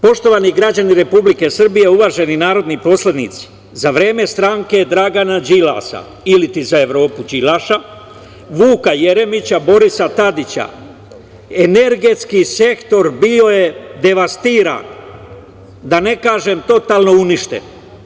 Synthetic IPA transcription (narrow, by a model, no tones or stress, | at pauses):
po̞ʃt̪o̞ʋaniɡɾad͡ʑaniɾe̞publike̞sr̩bije̞uʋaʒe̞ninaːɾo̞d̪nipo̞sled̪nḭt̪si̥ | zaʋɾe̞ːme̞st̪ɾaŋke̞d̪ɾaɡanad͡ʒila̰sa̰ | ilit̪izae̞ʋɾo̞ːpud͡ʒilaʃa | ʋuːkaje̞ɾe̞mit͡ɕabo̞ɾisat̪ad̪it͡ɕa̰ | eneɾɡe̞t̪skise̞kt̪o̞ɾbio̞je̞d̪e̞ʋast̪iːɾa̰n | d̪ane̞kaːʒemt̪o̞t̪aːlˠno̞uniʃt̪e̞̰n